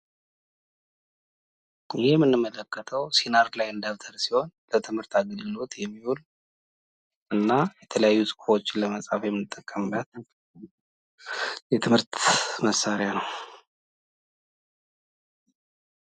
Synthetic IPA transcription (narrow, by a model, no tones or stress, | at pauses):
ɪhejɛmːɨnːɨmːələkːət̪ʰəwsinaɾlajɨnd̪aβt̪ʰəɾsiho̞nlət̪ʰɨmhɨɾt̪ʰaɡəlɡɨlo̞t̪jɛmːihul | ʔɨnːajɛt̪ʰələjajːusʼɨ̥kfo̞t͡ʃːɪləməsʼafjɛmːɨnɨt̪ʼːəkʼːəmlat̪ | jɛt̪ʰɨmhɨɾt̪məsːaɾjanəw